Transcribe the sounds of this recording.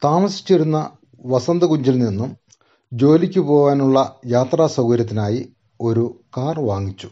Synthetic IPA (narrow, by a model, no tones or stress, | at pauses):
t̪aːmɐsi̥t͡ɕːeɾunːɐ | ʋɐsɐnd̪ɐkuɲd͡ʑilninːum | d͡ʑo̞ːlikʲːupo̞ːʋaːnuɭːɐjaːt̪raːsɐwɡɐɾjɐt̪ːinaːji | o̞ɾukaːrʋaːŋːit͡ɕːu̥